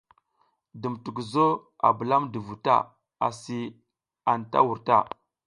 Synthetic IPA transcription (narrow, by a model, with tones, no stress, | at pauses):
də˨mtu˨kzo˦ | a̰˨bə˨la˦mdə˨vu˨ta̰˦˨ | a˨si˨ | a˨nta̰˦wu˨ɾta˦˨